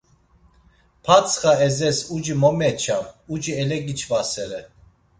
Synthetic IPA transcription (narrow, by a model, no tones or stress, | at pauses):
pʰat͡sʰχaɛzɛsud͡ʒimɔmɛt͡ʃʰamud͡ʒiɛlɛɡit͡ʃʰvasɛɾɛ